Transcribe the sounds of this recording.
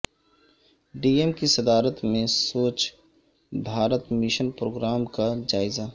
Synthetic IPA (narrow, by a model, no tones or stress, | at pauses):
ɖiːemkisɐd̪aːɾət̪mẽsoːt͡ʃ | bʱaːɾət̪mɪʃənpɾoːɡɾaːmkad͡ʒaːɪza